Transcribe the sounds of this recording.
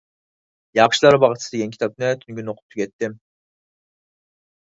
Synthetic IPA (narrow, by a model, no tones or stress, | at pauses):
jɑʁʃlˠɑɾɯbɑʁɨt̪sɨd̪eɡʲɛnkʲʰt̪ʰɑp̪̚nɛt̪ʰynɡʲynoqʰʊ̥p̚t̪ʰukʲʰɛt̪ːɪm